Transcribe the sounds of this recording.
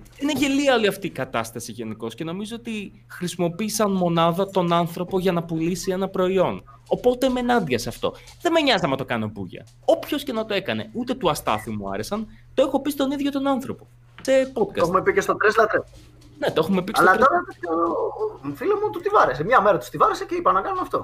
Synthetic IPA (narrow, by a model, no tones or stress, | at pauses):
ine̞ʝeliɐoliɐft̪iːkɐt̪ɐst̪ɐsiʝe̞niko̞sce̞no̞mizo̞ot̪i | xɾisimo̞piːsɐnmo̞nɐðɐt̪o̞nɐnθɾo̞po̞ʝɐnɐpulisie̞nɐpɾo̞io̞n | o̞po̞t̪eme̞nɐnd̪ɐsɐft̪o̞̰ | ðe̞meɲɐzɐmnɐt̪o̞kɐno̞pṵʝɐ̰ | o̞pço̞sce̞nɐt̪o̞e̞kɐne̞̰ut̪e̞t̪uɐst̪ɐ̰θimuɐ̰ɾesɐn | t̪oe̞xo̞pist̪o̞niðʝo̞t̪o̞nɐnθɾo̞po̞ | se̞pot̪̚kɐseumepicest̪ot̪ɾezlɐt̪ɾe | net̪oexume̞pikesɐloɐɾoɾɐt̪eo | filemot̪ust̪ivɐɾesemɲɐmeɾɐt̪u̥st̪ivɐɾeseceipɐnɐkɐnumɐft̪o̞̰